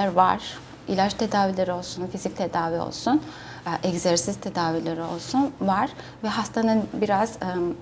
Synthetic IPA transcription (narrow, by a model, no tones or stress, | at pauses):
æɾva̰ɾ̥ | ilʲat͡ʃt̪ʰed̪aːvilʲeɾio̞lˠsunfizic̚t̪ʰe̞d̪aːvio̞̰lˠsun | ʔɛɟzɛɾsist̪ʰed̪aːvilʲeɾio̞̰lˠsunvaɾ̥ | vɛɦast̪ʰanɯnbiɾaz̥